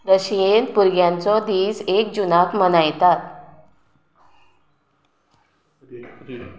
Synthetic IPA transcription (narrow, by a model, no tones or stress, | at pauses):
ɾəɕijenpuɾɡjãnt͡sɔd̪iːsek̚d͡ʑunakmənajt̪at̪